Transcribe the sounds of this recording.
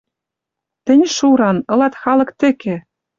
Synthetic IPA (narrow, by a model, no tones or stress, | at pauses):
t̪ɘ̆nʲʃuɾɑnɤ̆lɑt̪xɑlɤ̆kt̪ɘ̆kĕ